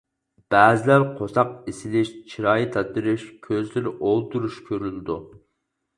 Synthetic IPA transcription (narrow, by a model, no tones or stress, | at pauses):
b̥ɛːzɪlæɾqʰosɑq̚isɪlɪʃt͡ʃʰiɾɑːjit̪ʰɑt̪ɨɾɪʃkʲʰøzlɪɾɪʔolˠt̪uɾuʃkʲʰøɾylɪd̪u